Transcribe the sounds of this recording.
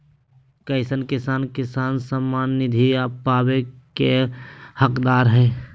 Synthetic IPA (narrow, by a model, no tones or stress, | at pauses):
kəɪsənkɪsaːnkɪsaːnsəmːaːnːɪd̪ʱiapaːbekehəkd̪aːɾɦɛː